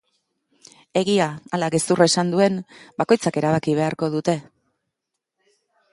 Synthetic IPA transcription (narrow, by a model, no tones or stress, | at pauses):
e̞ɣiaːlaɣest̪uraesand̪ue̞nbako̞jt͡sake̞ɾaβ̞akiβ̞e̞aɾko̞ð̞ut̪e̞